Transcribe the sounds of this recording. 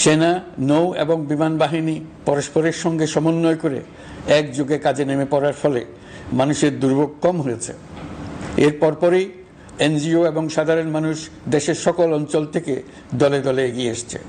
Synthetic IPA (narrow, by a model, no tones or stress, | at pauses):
ʃenanowḛboŋbimanbaɦinipɔɾoʃpoɾeɾʃɔŋɡeʃɔmonːoekoɾḛ | ɛk̚d͡ʑoɡekad͡ʑʱenemepɔɾaɾfɔle | manuʃeɾd̪uɾbʱoɡ̚kɔmɦojet͡ɕʰḛ | eɾpɔɾpɔɾej | end͡ʑioeboŋʃad̪ʱaɾonmanuʃ | d̪eʃeɾʃɔkolɔnt͡ɕɔlt̪ʰeke | d̪ɔled̪ɔleeɡieeʃt͡ɕʰḛ